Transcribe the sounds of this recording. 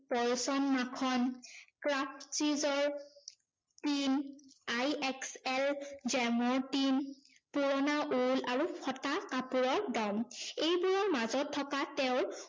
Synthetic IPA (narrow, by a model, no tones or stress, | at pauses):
pɔɹsɔnmakʰɔnkɹapsizɔɹ | tinajɛksɛld͡ʒɛmɔɹtin | puɹɔnaʔulaɹupʰɔtakapuɹɔɹdɔmejbuɹɔmazɔtʰːɔkatɛʊ̃ɹ